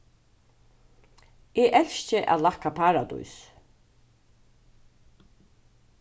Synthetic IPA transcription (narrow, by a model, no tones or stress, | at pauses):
ɛːʔɛlʃt͡ʃəʔæ̰ðlakapʰaːɹad̪ṵjs